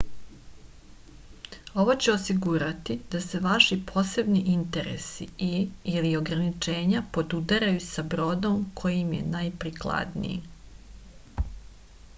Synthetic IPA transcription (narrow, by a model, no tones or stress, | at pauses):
o̞ʋo̞t͡ɕeosiɡuɾat̪id̪̥ase̞ʋaʃipʰo̞ːse̞bniʔint̪eɾḛsiilio̞ɡɾanit͡ʃe̞ːɲapo̞d̪ud̪aɾajusabɾo̞ːd̪o̞mkʰo̞jimjḛnajpɾiklˠa̰d̪nḭjḭ